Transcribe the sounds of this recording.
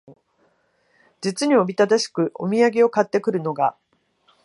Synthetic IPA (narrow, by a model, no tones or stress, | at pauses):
d͡ʑit͡sɨɲ̟io̞bʲit̪ad̪aɕi̥kɯ̟ʔo̞̰mʲiaɡe̞o̞kat̪ːe̞kɯ̟ɾɯ̟no̞ɡa